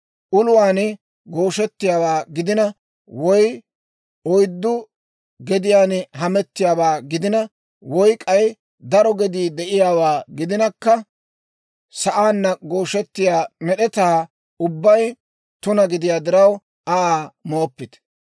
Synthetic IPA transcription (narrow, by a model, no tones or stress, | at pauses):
ʔʊlʊwaːn | ɡo̞ːʃɛt̪ːɪjaːwaːɡɪd̪ɪnɐ | wɔj | ɔjd̪ːʊ | ɡɛd̪ɪjaːnɦɐmɛt̪ːɪjaːwaːɡɪd̪ɪnɐ | wɔjkʼɐj | d̪ɐɾɔɡɛd̪iːd̪ɛʔɪjaːwaːɡɪd̪ɪnɐkːɐ | sɐʔaːnːɐɡo̞ːʃɛt̪ːɪjaːmɛɗɛt̪aː | ʊbːɐj | t̪ʊnɐɡɪd̪ɪjaːd̪ɪɾɐw | ɐaːmoːpːɪt̪